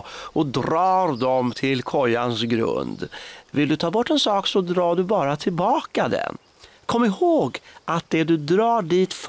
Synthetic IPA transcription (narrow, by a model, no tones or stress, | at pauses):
ɔd̪ɾɑːɾd̪ɔmt̪ʰɪlkʰɔjːansɡɾɵ̰nd̪vɪld̪ɵt̪ʰɑːbɔʈːɛnsɑːksɔd̪ɾɑːɖɵbɑːɾat̪ʰɪlbɑːkad̪ɛ̰n | kʰɔmːɪhoːɡat̪̚d̪ɛd̪ɵd̪ɾɑːɖiːt̪f